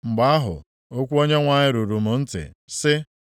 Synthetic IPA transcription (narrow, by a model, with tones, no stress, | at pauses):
ŋ͡m̩˨ɡ͡ba˦a˦ɦʊ̰˨ | o˦kʷu˦o˦ɲe˦ŋʷa˨ɲɪ˦ɾu˨ɾu˨mʊ˨n̩˦tɪ̰˨sɪ˦